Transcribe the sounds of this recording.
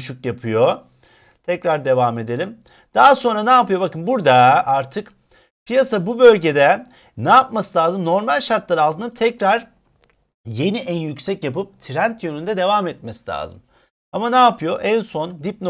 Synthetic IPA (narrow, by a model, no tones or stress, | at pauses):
ʃykjapʰɯjo̞ | t̪ʰɛcɾaɾd̪e̞vame̞d̪e̞lʲim | d̪̥aɦaso̞nɾanaːpɯjo̞bakɯnbuɾd̪aaɾt̪ʰɯk | pʰijasabubø̞lʲɟe̞d̪ɛ | naːpmasɯlʲaːzɯmno̞ɾmalʲʃaɾt̪lˠaɾɯalˠt̪ʰɯːnɯt̪ʰɛcɾaɾ̥ | jeniʔænjycsɛcjapɯp̚t̪ʰiɾænt̪jønynd̪ɛd̪e̞vamɛt̪̚mesilʲa̰ːzɯm | amanaːpʰɯjo̞ʔænso̞nd̪ip̚n